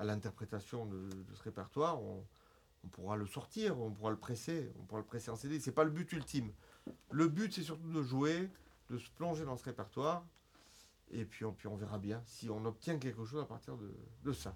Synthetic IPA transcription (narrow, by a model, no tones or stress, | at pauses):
alɛ̃t̪ɛʁpχet̪asjɔ̃d̪əd̪əsəʁepɛʁt̪waʁɔ̰̃ː | puʁaləsɔʁt̪iːʁuɔ̃puʁaləpχeseɔ̰̃puʁaləpχeseɑ̃sed̪esɛpaləbyt̪ylt̪imləbyt̪sɛs̬yʁt̪ud̪əʒuwed̪əsə̥plɔ̃ʒed̪ɑ̃səʁepɛʁt̪waʁ | epɥiɔ̃pɥiɔ̃veʁabjɛ̃siɔ̃nɔp̚t̪jɛ̃k̬ʲɛlkəʃ̬ozapaʁt̪iʁd̪ə̰d̪əsa